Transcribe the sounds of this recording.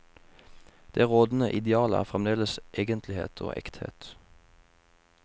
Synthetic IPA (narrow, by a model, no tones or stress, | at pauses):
d̪̥eːʁoːd̪n̩əʔɪd̪ɛɑːləæ̰ːʁfʁɛmd̪eːləsʔeːɡənt̪ʰlɪhḛːt̪ʰo̰ːʔɛ̰kt̪hḛːt̪